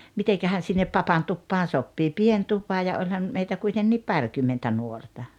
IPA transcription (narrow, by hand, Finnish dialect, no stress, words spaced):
mitekæhæn sinːep pɑpɑn tupːɑːn sopːiː pien tupɑ jɑ olʲhɑn meitæ kuitenːiːp pɑrkymːentæ nuortɑ